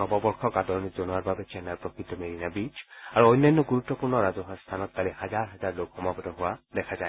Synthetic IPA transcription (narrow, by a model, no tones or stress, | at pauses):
ɔbɔbɔɹxʰɔkadɔɹnizonuaɹbabɛt͡ʃɛnaɹpɹɔkʰit̪ːɔmeɹinabit͡ʃaɹuɔjnːanːɔɡuɹut̪ːɔpuɹnɔɹazɔɦɔst̪ʰanɔt̚kaliɦazaɹɦɛzaɹlokxɔmabɔtɔɦʊwadɛkʰazaj